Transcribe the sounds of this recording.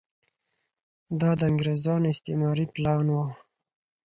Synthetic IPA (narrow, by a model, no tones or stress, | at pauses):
d̪ɑd̪əaŋɡɾezɑːnɪst̪emɑːɾiplɑːnwo